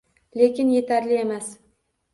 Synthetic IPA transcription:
lekʲɪnje̞t̪ʰaɾlɪe̞mas

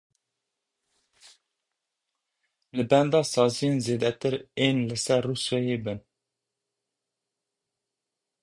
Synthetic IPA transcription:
lɨbɛnd̪ɑːsɑːzijeːnzeːd̪ɛt̪ɨɾeːnlɨsɛɾːuːswɛjeːbɨn

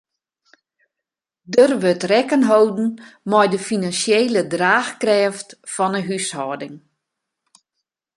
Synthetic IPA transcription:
dərʋøtrɛkənɦowdn̩mɔjdəfinansjeːlədraːxkrɛːftfɔnəɦyshɔːdɪŋ

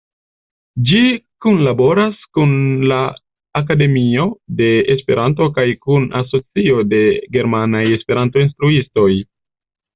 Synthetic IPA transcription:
d͡ʒikunlabo̞ɾaskunlaː | kade̞mio̞de̞espe̞ɾʔanto̞kajkunaso̞t͡sio̞de̞ɡe̞ɾmanaje̞spe̞ɾanto̞instɾuisto̞j

